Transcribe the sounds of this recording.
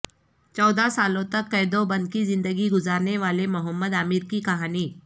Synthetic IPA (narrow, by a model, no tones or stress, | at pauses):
t͡ʃɔːd̪asaːlõt̪ɐkːɛːd̪õbɐ̃nd̪̚kizɪ̃nd̪əɡiɡʊzaːɾneʋaːlemʊɦəmːəd̪aːmɪɾkikɐɦaːniː